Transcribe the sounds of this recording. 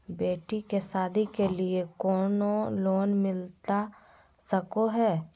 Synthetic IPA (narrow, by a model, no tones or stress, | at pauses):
beːʈikesaːd̪ʱikeliekɔːnoloːnmɪlt̪a | səkoɦɛː